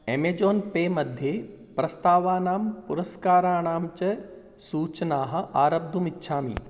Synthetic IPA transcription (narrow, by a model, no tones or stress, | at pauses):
emed͡ʒoːnpeːmɐd̪ʱje | pɾɐst̪aːʋaːnaːmpuɾɐskaːɾaːɳ̃aːmt͡ʃɐ | suːt͡ʃnaːɦɐ̆ʔaːɾɐb̚d̪ʱumitːʃʰaːmḭː